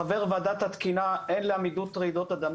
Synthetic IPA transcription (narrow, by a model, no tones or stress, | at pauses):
aveʁvad̪at̪hat̪kinaʔenleamid̪ut̪ʁeid̪ot̪ad̪am